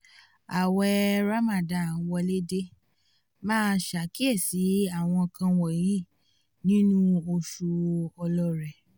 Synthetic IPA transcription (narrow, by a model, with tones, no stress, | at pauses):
a˨wɛ˧ɾa˦ma˨da˨wɔ˧le˦de˦ | mãː˦˧ʃa˨ki˦ɛ˦˨si˨˦a˦˨w̃ɔ̃˧kʰã˧wɔ˨ji˦˨ | nĩ˦nũ˦o˧ʃu˧ɔ˧lɔ˧ɾɛ˨